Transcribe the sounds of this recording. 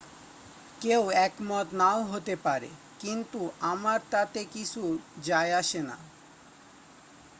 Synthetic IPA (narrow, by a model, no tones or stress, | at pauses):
kewɛkmɔt̪naoɦot̪epaɾḛ | kint̪uʔamaɾt̪at̪ekit͡ɕʰud͡ʑaeaʃena̰